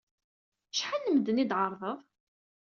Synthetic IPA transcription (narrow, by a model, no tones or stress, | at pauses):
ʃħanːəmd̪ənid̪ʕəɾˤðˤəðˤ